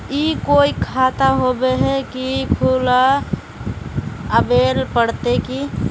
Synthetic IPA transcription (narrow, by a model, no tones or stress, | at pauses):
ikoːikʰaːt̪aɦobeɦɛkikʰula | əbeːlpəɽt̪eki